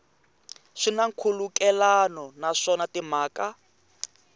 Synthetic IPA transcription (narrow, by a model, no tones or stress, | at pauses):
ʂinaŋ̩kʰulukɛlanɔnaʂɔnatim̤aːka